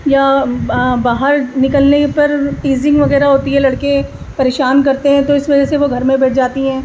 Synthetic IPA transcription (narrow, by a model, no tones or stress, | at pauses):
ja | baːɦəɾnɪkəlnepɐɾʈiːzɪ̃ŋɡʋɐɣɛːɾaɦoːt̪iɦɛ̃lɐɽke | pɐɾeːʃaːnkɐɾt̪eɦɛ̃t̪oɪsʋɐd͡ʒɛseʋoɡʱɐɾmẽbɛːʈʰd͡ʒaːt̪iɦɛ̃ː